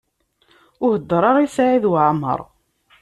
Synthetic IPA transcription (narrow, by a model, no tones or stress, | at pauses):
ʊhəd̪ːɾˤɑɾˤisaʕiðwʕmːə̰ɾˤ